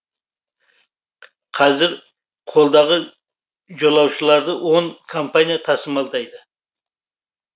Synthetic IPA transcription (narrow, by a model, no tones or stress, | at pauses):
qʰɑzɪɾ | qʰo̞lˠd̪ɑʁə | ʒolˠɑwʃəlˠɑɾd̪əwʔo̞ŋkʰompanʲijat̪ʰɑsəmɑlˠd̪ɑjd̪ə